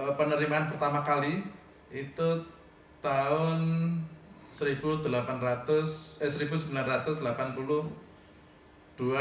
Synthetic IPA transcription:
əpənəɾimaːnpərt̪amakali | it̪u | t̪aʊn | səɾib̥ud̪̥əlapanrat̪ʊsəsəɾib̥us̬əbilanrat̪ʊsd̪əlapanpulʊh | d̪̥ua

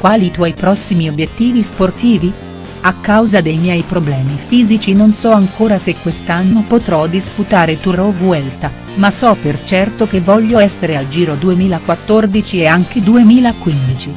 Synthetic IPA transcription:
kwaːlit̪wɔjpɾɔsːimiobːjet̪ːiːvisport̪iːvi | akːawzad̪ejmjɛjpɾoblɛːmifiːzit͡ʃinonsɔaŋkʰoːɾasekːwest̪anːopot̪ɾɔd̪isput̪aːɾet̪uɾovuɛlt̪a | masɔpert͡ʃɛrt̪okevːɔʎːoɛsːeɾeald͡ʒiːɾod̪uemiːlakwat̪ːord̪it͡ʃieaŋk̟ed̪uemiːlakwind̪it͡ʃi

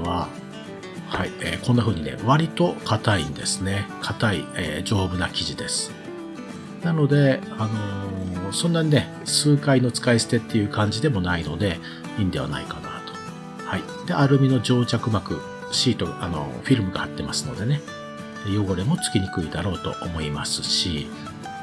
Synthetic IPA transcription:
βa | haiḛːkõ̞nːaɸɯ̟ːɲ̟ine̞̰βaɾʲit̪o̞kʰat̪aḭ̃nd̪e̞sɨne̞kʰat̪aḭḛːd͡ʑo̞ːbɯ̟nakʲiʑid̪e̞sɨ̥ | nano̞d̪e̞ano̞sõ̞nːaɲ̟ine̞ | sɨːkaino̞t͡sɨ̥kaisɨ̥t̪e̞t̪ːe̞jɯ̟ːkãɲ̟d͡ʑid̪e̞mo̞naino̞d̪e̞ | ĩːnd̪e̞β̞a̰na̰ikana̰ːt̪o̥ | hai | d̪̥e̞ʔaɾɯ̟mʲino̞d͡ʑo̞ːt͡ɕakɯ̟makɯ̟̰ | ɕiːt̪o̞ʔa̰no̰ɸʲiɾɯ̟mɯ̟ɡahat̪ːe̞masɨno̞̰d̪e̞ne̞ | ejo̞ɡo̞ɾemo̞t͡sɨ̥kʲiɲ̟ikɯ̟id̪aɾo̞ːt̪o̞̰ʔomo̞imasɨ̥ɕi

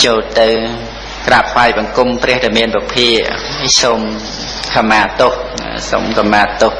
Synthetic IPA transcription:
t͡ɕoːlt̪ɨw | krapʰʋaɛjɓɑŋkumprɛ̆əhɗamiənprɑpʰiəʔ | soːm | kʰamaːt̪oh | so̰mkamːaːt̪oh

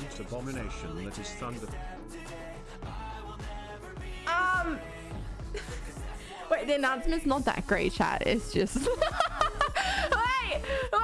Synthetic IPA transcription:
ntʰəbɑmɨneɪʃɨ̃nðɨɾɨz̥θʌ̃ndə | ʌ̃m | weɪðiɨnãʊ̃nsmɨ̃ntsnət̪̚ðə̰t̚ɡ̥ɹeɪt̚t͡ʃʰæ̰tɪ̰tsd̥ʒ̥ʌst | waɪ

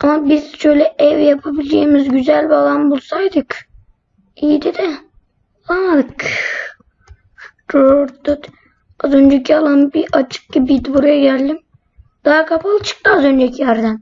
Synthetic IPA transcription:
amabizʃø̞jlʲɛʔɛvjapʰabilʲd͡ʒemizɟyzælʲbalˠambulˠsajd̪ɯk | ijid̪id̪ɛ | ad̪ɯk | doɾɾt̪ut̪ | azø̞nd͡ʒɛcʰialˠanbiʔat͡ʃʰɯ̥k̚ɟibid̪ibuɾjaɟællʲim | d̪̥aɦakʰapʰalˠɯt͡ʃʰɯ̥k̚t̪ɯazø̞nd͡ʒɛcʰijæɾd̪æn

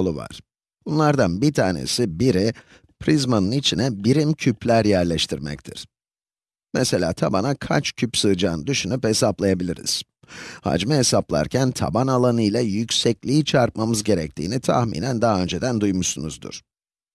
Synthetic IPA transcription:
lˠuva̰ɾ̥ | bunlˠaɾd̪anbit̪ʰaːnḛsibiɾi | pʰɾizmanɯnit͡ʃʰinɛbiɾimcʰyplʲæɾjæɾlʲɛʃt̪ʰiɾmɛ̰c̚t̪ʰḭɾ̥ | mese̞lʲa̰ːt̪ʰabanakʰa̰t͡ʃcʰypsɯːd͡ʒaːnɯd̪yʃynyphe̞saplˠajabilʲiɾḭz̥ | ha̰d͡ʒmɛɦesaplˠa̰ɾcʰænt̪ʰa̰banalˠanɯjlʲˠajycʲsɛclʲiːt͡ʃʰaɾt̪̚mamɯzɟe̞ɾɛc̚t̪ʰḭːnit̪ʰa̰hmḭːnænd̪aɦaø̞nd͡ʒed̪ænd̪ujmuʃsunṵzd̪ṵɾ̥

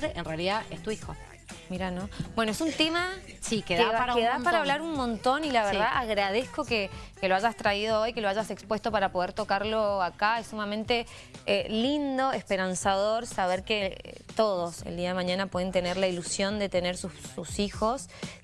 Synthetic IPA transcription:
eʔenrealiðaʔest̪uixo̰ | miɾanobwe̞noesunt̪e̞ma | sikeðekeðapaɾaβlaɾunmõ̞nt̪o̞nilaβeɾðaʔaɣɾað̞e̞sko̞kekeloaʒast̪ɾaiðo̞o̞jkeloaʒasekspwe̞st̪o̞paɾapo̞ð̞e̞ɾt̪o̞kaɾlo̞akaesːumamẽnt̪e̞ | elind̪o̞espeɾansaðo̞ɾsaβ̞eɾkḛt̪o̞ð̞o̞sḛld̪iaðemãɲãnapwe̞ðent̪e̞neɾlailusjo̞nd̪e̞t̪e̞neɾsususixo̞s

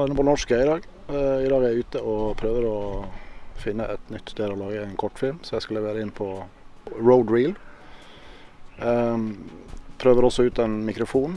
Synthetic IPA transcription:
ɾɪnːəpʰɔnɔʂkæɪd̪ɑːɡ | ɪd̪ɑːɡəææɾʉːt̪əɔpʰɾøːʋəɾɔ | fɪnːəʔɛt̪nʏt̪ːsd̪eːɾɔlɑːɡəæɪnkʰɔʈːfɪlmsɔjæɪskʉlːəʋæːɾəɪnːəpʰɔ | ɹəʊd̪ɹiːl | pʰɾøːʋəɾɔsɔʉːt̪ɛnmɪkɾʊfuːn

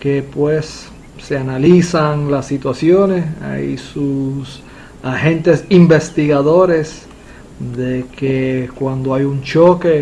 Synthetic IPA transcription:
kepwesː | e̞analisaŋlasːit̪wasjonesa̰jsus | ahẽ̞nt̪e̞simbe̞st̪iɣaðo̞ɾe̞s | d̪ekekwand̪oajunt͡ʃo̞ke̞

